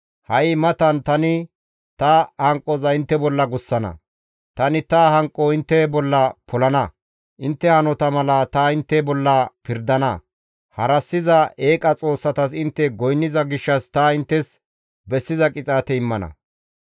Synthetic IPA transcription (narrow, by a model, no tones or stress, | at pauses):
hɐjɪmɐt̪ɐnt̪ɐnɪ | t̪ɐhɐŋkʼːɔzɐjɪnt̪ːɛbɔlːɐɡʊsːɐnɐ̰ | t̪ɐnɪt̪ɐhɐŋkʼːɔɪnt̪ːɛbɔlːɐpʰɔlɐnɐ | ʔɪnt̪ːɛhɐnɔt̪ɐmɐlɐt̪ɐɪnt̪ːɛbɔlːɐpɪɾd̪ɐnɐ | hɐɾɐsːɪzɐeːkʼɐt͡sʼo̞ːsːɐt̪ɐsɪnt̪ːɛɡɔjnːɪzɐɡɪʃːɐst̪ɐɪnt̪ːɛs | bɛsːɪzɐkʼɪt͡sʼaːt̪ɛɪmːɐnɐ̰